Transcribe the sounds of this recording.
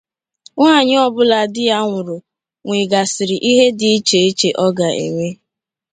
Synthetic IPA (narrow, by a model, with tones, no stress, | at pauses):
ŋaː˦˨ɲɪ˦ɔ˦bʊ˦la˨dɪ˦ja˦ŋʷʊ˨ɾʊ˨ | ŋʷi˨ɡa˨sɪ˨ɾɪ˨ʔi˦ɦe˦dɪ˨˦i˦t͡ʃe˨i˦t͡ʃe˨ʔɔ˦ɡa˨ʔḛ˨ŋʷe˦